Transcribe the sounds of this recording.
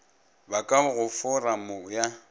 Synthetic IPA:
bakʼaɣʊfʊramʊja

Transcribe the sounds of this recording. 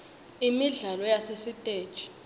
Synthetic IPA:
imiɮalɔjasesitʼeːd̥t͡ʃʰʼi̥

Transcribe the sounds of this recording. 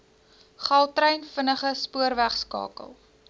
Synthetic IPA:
χɐlˠtrəjnfənəχəspuərvæχskɑ̰ːkə̰lˠ

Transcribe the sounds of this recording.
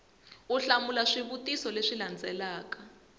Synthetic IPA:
uɬamulaʂiβutisɔleʂiland͡zɛlaːkḁ

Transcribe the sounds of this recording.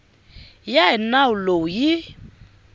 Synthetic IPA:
jaɛnawulojɪ

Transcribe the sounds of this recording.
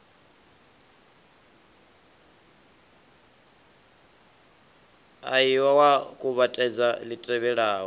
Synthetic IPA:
a̰jiwawakʼuβatʼɛd͡zalitʼrɛβɛɺaːɦɔ

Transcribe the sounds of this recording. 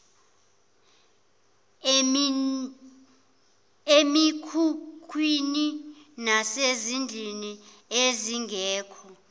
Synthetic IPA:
emikʰukʰwininasezind͡ɮʱini | eziŋɡʱɛːkʰɔ

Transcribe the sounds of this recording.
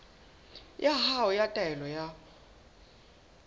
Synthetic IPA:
jahaɔjatʼɛɛlɔja

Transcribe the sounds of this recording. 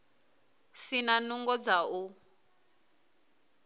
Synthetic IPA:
sinanuŋɡɔd͡zau

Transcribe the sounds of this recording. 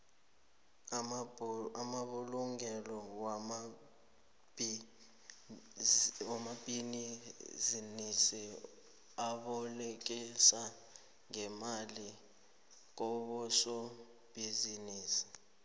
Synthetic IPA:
amaɓuluŋɛlɔwam | b | wamab̥ʱinizinisi | aɓɔlek̬isa | ŋɛmali | k̬ɔɓɔsɔ | b̥ʱiziniːsi̥

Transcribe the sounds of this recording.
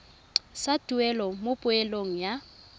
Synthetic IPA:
satʼuɛlɔmopʼʊɛloŋ̩ja

